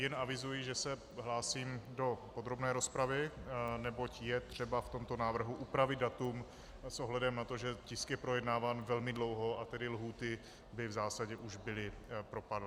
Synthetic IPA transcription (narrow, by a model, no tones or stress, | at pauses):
jɛnavɪzujɪʒɛsɛ | ɦlaːsiːmdo̞po̞d̪ɾo̞bnɛːɾo̞spɾavɪnɛbo̞cjɛt̪r̝̥ɛbaft̪o̞mt̪o̞naːvr̩ɦuʔupɾavɪd̪̚dat̪um | sʔoɦlɛdɛmnat̪o̞ʒɛcɪskjɛpɾojɛdnaːvaːnvɛlmɪdlo̞wɦo̞ʔat̪ɛdɪlɦuːt̪ɪ | bɪvzaːsaɟɛʔuʒbɪlɪpɾo̞padlɪ